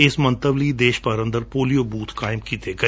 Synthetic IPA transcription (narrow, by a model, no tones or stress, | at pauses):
ɪsmə̃nt̪əʋliːd̪eːʃpəɾə̃nd̪əɾpoːlijoːbuːt̪ʰkaːɪmkiːt̪eːɡə